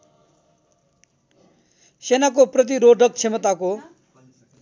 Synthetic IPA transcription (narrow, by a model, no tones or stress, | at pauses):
senak̬oprʌt̪̬iɾoɖʱʌk̚t͡sʰemʌt̪ako